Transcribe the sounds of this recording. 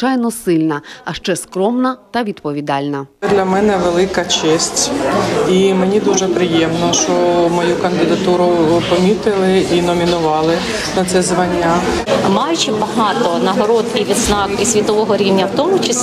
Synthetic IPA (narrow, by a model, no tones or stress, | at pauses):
ɑjnɔsɪlʲnɐɐʃt͡ʃɛskɾɔmnɐt̪ɐʋʲid̪pɔʋʲid̪ɑlʲnɐd̪lʲɐmɛnɛʋelˠɪkɐt͡ʃɛsʲtʲimenʲid̪uʒɛpɾɪjɛmnɔʃt͡ʃɔmɔjukɐnd̪ɪd̪ɐt̪uɾʊpɔmʲit̪ɪlˠɪinɔmʲinʊʋɑlˠɪ | nɐt̪sɛzʋɐnʲːa | mɑjʊt͡ʃimbɐɦɑt̪ɔnɐɦɔɾɔt̪iʋʲid̪znɑkisʲʋʲit̪ɔʋɔɦɔɾʲiwnʲɐwt̪ɔmʊt͡ʃɐs